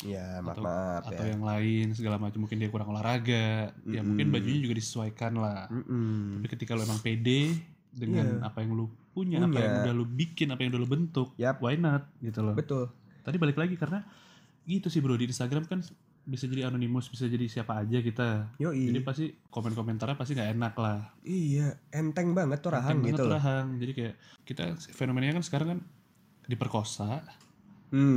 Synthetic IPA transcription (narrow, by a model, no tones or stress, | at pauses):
jaaat̪aaaawjaŋlaɪns̬əɡalamat͡ʃamːuŋkɪndiakuɾaŋolahɾaɡaʔjamuŋkɪnbad͡ʒuɲad͡ʒuɡadisə̥suajkanlaht̪apikət̪ikaluemaŋpede | dəŋanapajaŋlupuɲaaɲpajaŋdahlubikɪnapajaŋdalubənt̪ʊk̚wajnat̪̚ɡit̪ulɔbət̪ʊlt̪adibalɪklaɡikaɾəna | ɡit̪usɪhbɾodiːnst̪aɡɾamkan | bisad͡ʒadianonimʊsbisad͡ʒadisiapaːd͡ʒakit̪ajod͡ʒadipast̪ikomɛnkoment̪arapast̪iŋɡaenaklahijaɛnt̪ɛŋbaŋət̪ːuɾaɦaŋbaiŋətɾaɦaŋd͡ʒadikajaʔkit̪a̰sfenomenaɲakansə̥kaɾaŋkan | dipərkosaʔ | m̩